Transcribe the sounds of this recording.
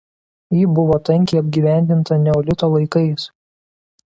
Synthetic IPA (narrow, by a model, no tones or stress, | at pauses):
jiːbʊʋoːt̪ɐŋʲkʲɛɪɐbʲɡʲiːʋʲæˑnʲd̪ʲɪnt̪ɐnʲɛoːlʲɪt̪oːlˠɐɪkɐɪs